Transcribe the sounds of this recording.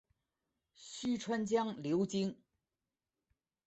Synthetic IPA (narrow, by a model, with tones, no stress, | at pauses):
ɕy˥ʈ͡ʂʰwa˥nt͡ɕjɑ˥ŋljo˧˥ʊt͡ɕi˥ŋ